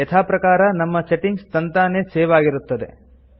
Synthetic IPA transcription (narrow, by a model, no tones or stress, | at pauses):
ɛt̪ʰaːpɾɐkaːɾɐnɐmːɐseʈiŋɡst̪ɐnt̪aːneːseːʋaːɡiɾut̪ːɐd̪e̞̰